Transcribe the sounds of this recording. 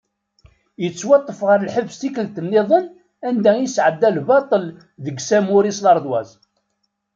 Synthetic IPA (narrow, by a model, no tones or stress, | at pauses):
jət͡sːwɑt̪ˤːəfʁəɾlħəvːst̪ikəlt̪ənːeðˤən | ænd̪æisʕəd̪ːælbɑt̪ˤəl | ðəɡsæmuɾislɑɾˤd̪wæ̰z